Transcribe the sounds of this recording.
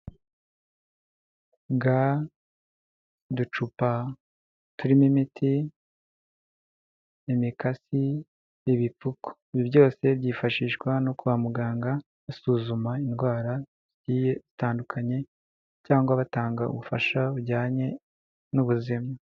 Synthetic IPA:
ɡa | dut͡ʃupa | tuɾimimitʰi | emikasi | jeβipuko̥iβiβɟo̞ːse̞βɟiːfaʃiːʃɡwano̞kuβamuɡaːŋɡa | asuːzumainɡwaːɾa | zɟiːje̞zitaːndukʰaɲe̞ | caːŋɡwaβataːŋɡaṵβufaʃauɟaːɲe̞ | nuβuzima

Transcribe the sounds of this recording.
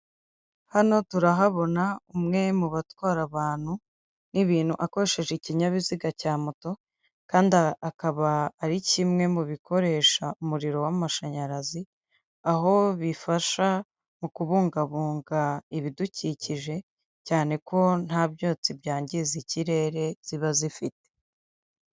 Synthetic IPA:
hano̞tuɾaɦaβo̞naumŋe̞muβatwaːɾaβaːn̥hu | niβiːn̥huʔako̞ɾe̞ʃe̞ʒeciɲaβiziɡacaːmoto̞ | kaːndaːkaβaːɾicimŋe̞muβikʰo̞ɾe̞ːʃaumuɾiɾo̞wamaʃaɲaɾazi | aɦo̞βifaʃa | mukuβuːŋɡaβuːŋɡaiβiduciciʒe̞ | caːne̞kʰo̞n̥habjo̞ːt͡sibjaːɲɟiziciɾe̞ːɾe̞z̥iβazifite̥

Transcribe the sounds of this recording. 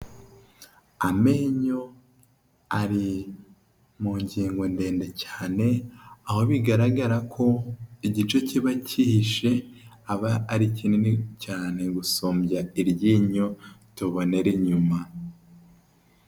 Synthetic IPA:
ame̞ːɲo̞ | aɾi | muːɲɟiːŋɡo̞nde̞ːndecaːne̞aho̞βiɡaɾaɡaɾakʰo̞iɟit͡ʃo̞ciβacʰihiʃe̞ | aβaːɾicininicaːne̞ɡusoːmbjaiɾjiːɲo̞tuβo̞ne̞ɾeɲuma

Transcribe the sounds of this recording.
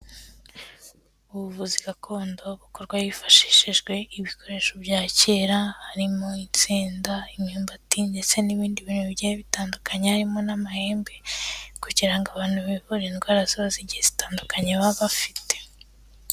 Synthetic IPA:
uβuβuziɡakʰo̞ːndo̞βuko̞ɾɡwajifḁʃi̥ʃiʒɡwe̞ʔiβikʰo̞ɾe̞ːʃobjaːceːɾahaɾimoint͡siːndaimhiːmbatinde̞t͡se̞niβiːndiβiːnhuβiɟijeβitaːndukaɲehaɾimo̞namahe̞ːmbe̞kuɟiɾaŋɡaβaːn̥huβiβuɾenɡwaːɾaziβaziɟihez̥itaːndukaɲeβaβafite̥

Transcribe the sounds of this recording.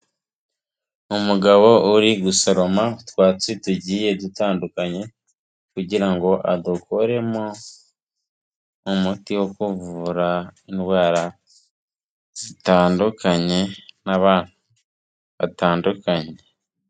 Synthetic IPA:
umuɡaβo̞uɾiɡuso̞ɾo̞mautwaːt͡situɟiːje̞dutaːndukaɲe̞ | kuɟiɾaŋɡo̞ʔadukoɾe̞mo̞ | mutiwo̞kuvuuɾainwaːɾa | zitaːndukʰaɲe̞naβaːn̥hu | βataːndukaɲe̞

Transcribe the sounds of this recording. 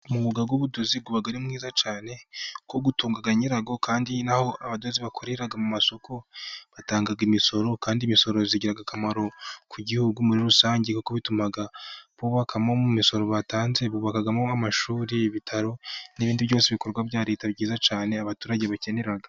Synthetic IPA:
umuβuɡaɡwuβudo̞zib̚ɡuβaɡaɾimŋiːzat͡ʃaːne̞ko̞ɡutuːŋɡaɡaɲiɾaɡo̞kaːndinaho̞ʔaβado̞ziβakʰoɾe̞ɾaɡamumaso̞kʰo̞βataːŋɡaɡimiso̞ɾo̞kaːndimiso̞ɾoziɟiɾaɡakamaɾo̞kʰuɟihuɡumuɾiɾusaːɲɟekukoβitumaɡaβuːβakʰamomumiso̞ɾo̞βataːnze̞βuːβakaɡamoamaʃuːɾiβitʰaɾo̞niβiːndiβjo̞ːseβiko̞ɾɡwaβjɟaːɾitabɟiːzat͡ʃaːne̞aβatuːɾaɟe̞βace̞ne̞ɾaɡa

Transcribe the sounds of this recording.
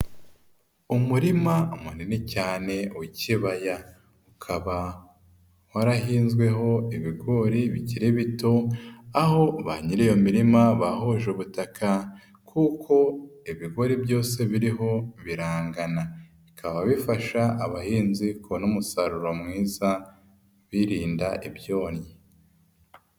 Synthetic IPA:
umuɾimaumuninicaːne̞uciβaja | ukʰaβa | waɾahiːnzɡwe̞ɦo̞iβiɡo̞ɾiβiciɾeβito̞aɦo̞βaɲiɾijomiɾimaβahoʒeuβutakʰa | kʰukʰo̞iβiɡo̞ɾibjo̞ːse̞βiɾiɦo̞βiɾaːŋɡana | ikʰaβaβifaʃaːβahiːnziknomusaɾuɾo̞mŋiːza | βiɾiːndaʔibjo̞ːnɲi

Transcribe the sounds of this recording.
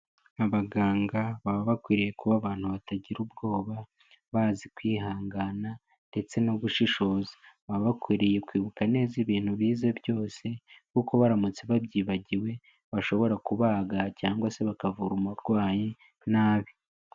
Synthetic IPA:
aβaɡaːŋɡaβaβaβakwiːɾije̞kuβaːβaːn̥huβataɟiɾubɡo̞ːβa | βaːzikwiːɦaːŋɡana | nde̞t͡se̞no̞βuʃiʃo̞zaβaββakwiːɾije̞kwiːβukane̞ːziβiːn̥huβiːzebjo̞ːse̞kuko̞βaɾamut͡seβabjiːβaɟiwe̞ | βaʃo̞βo̞ɾakuβaːɡacaːŋɡwase̞βakavuɾumuɾɡwaːje | naːβi

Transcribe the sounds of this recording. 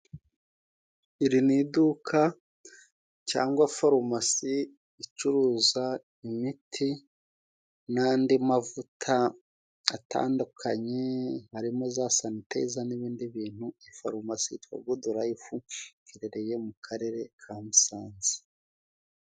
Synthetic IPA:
iɾinidukʰa | ca̰ːŋɡwafoɾomasiː | t͡ʃuɾuːza | imitʰi | naːndimavutʰa | ata̰ːndukʰaɲehaɾimozaːsanitḛzaniβiːndiβiːn̥huifa̰ɾomasḭtwa̰ɡoduɾajifukiɾeɾe̞je̞mukʰaɾe̞ɾe̞kʰamisaːnzi̥

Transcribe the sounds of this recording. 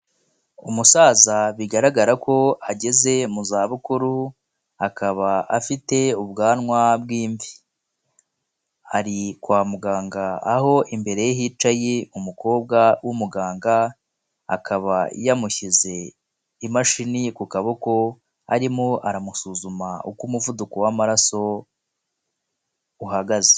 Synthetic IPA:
umusaːzaβiɡaɾaɡaɾako̞aɟe̞ze̞muzaːβukuɾu | akʰaβaʔafite̞ub̚ɡaːnŋwabɡiːɱvi | aɾikwaːmuɡaːŋɡaːho̞ʔimbe̞ɾe̞jehit͡ʃajeumuko̞ːb̚ɡawʔumuɡaːŋɡa | a̰kʰaβajamuçize̞ | imaʃinikukaβoko̞ | aɾimoʔaɾamusuːzumaukumuvudukowamaɾaso̞ | uhaɡaze̥

